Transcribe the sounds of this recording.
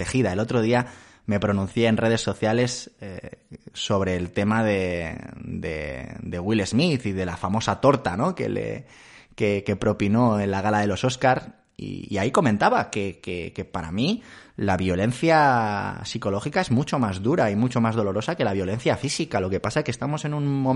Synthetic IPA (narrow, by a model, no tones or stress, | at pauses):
exiðae̞lot̪ɾo̞ð̞ia | me̞pɾo̞nũn̟θje̞ːnre̞ð̞e̞sːo̞θjale̞seso̞βɾe̞ːlt̪e̞maðe̞ | d̪e̞̰d̪e̞ɣwile̞zmiθiðe̞lafamo̞sat̪o̞ɾt̪ano̞ke̞̰lḛ | keke̞pɾo̞pino̞enlaɣalaðe̞lo̞so̞skaɾ | ḭːaiko̞mẽ̞nt̪aβake̞keke̞paɾa̰milaβjo̞le̞nθjasiko̞lo̞xikae̞zmut͡ʃo̞mazðuɾaimut͡ʃo̞mazð̞o̞lo̞ɾo̞sake̞laβjo̞le̞n̟θjafisikalo̞ke̞pasaeskest̪amo̞se̞nũnmo